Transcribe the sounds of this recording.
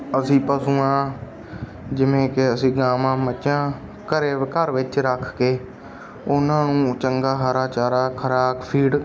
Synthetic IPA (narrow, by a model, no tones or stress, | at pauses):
əsĩːpəsũːãː | d͡ʒɪʋẽːkɪəsĩːɡaːmãːmətːʃãː | kəɾeːkəɾʋɪt͡ʃɾəkʰkeː | ʊnãːnũːt͡ʃəŋɡaːɦaɾaːt͡ʃaːɾaːkʰəɾaːbpʰiːɽ